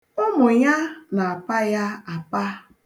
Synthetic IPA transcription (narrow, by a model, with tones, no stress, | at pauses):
ɔ˦mʊ˨ɲa˦na˨a˨pa˦ja˦a˨pa˦